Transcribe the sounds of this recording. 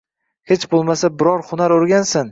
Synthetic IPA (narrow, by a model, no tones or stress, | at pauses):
het͡ʃbolˠmasabɪɾɒɾhʊnaɾoɾɡʲansɪn